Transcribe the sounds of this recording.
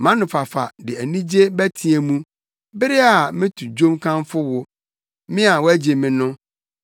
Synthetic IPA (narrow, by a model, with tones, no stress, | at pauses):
mã˦nʊ̃˨fa˨fa̰˨dɪ˨æ˨nĩ˦d͡ʑe˦bæ˦tʰi˨e˨mũ˦ | bɪ˦ɾɪ˦a˨mɪ̃˦tʰu˨d͡ʑᶣõ˦mkʰã˦mfʊ˦wʊ˦ | mɪ̃˦a˨wɔ˦æ˦d͡ʑe˨mɪ̃˨nʊ̃˦